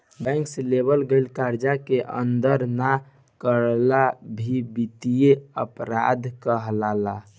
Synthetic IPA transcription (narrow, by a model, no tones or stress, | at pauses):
bɛ̃ŋkselebəlɡelkaɾd͡ʒakeʔə̰nd̪əɾna | kəɾlabʱibit̪ijeəpɾa̰d̪kəɦlala